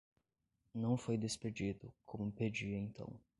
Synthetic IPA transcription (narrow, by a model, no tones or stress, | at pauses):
nɐ̃w̃fojd̪esped͡ʒid̪ʊkʰõmʊped͡ʒiẽt̪ɐ̰̃w̃